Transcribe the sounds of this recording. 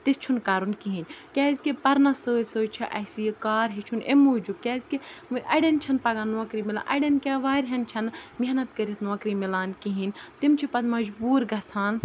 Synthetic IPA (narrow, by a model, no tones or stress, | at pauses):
t̪ist͡ʃʰunkaːɾunkiɦinkʲaːzʲkipɐɾnɐsəːsəːt͡ʃʰɐʔɐsijkaːɾɦit͡ʃʰunemuːd͡ʒukʲaːzʲkiʔɐɽɐnt͡ʃʰɐnpɐɡɐnːoːkɾimila̰ːʔɐ̰ɖɐnkʲaːʋaːɾʲɦɐnt͡ʃʰɐnmiɦnɐt̪kɐɾit̪ʰnoːkɾimilaːnkiɦinʲt̪imt͡ʃʰipɐd̪mɐd͡ʒbuːɾɡɐt͡sʰaːn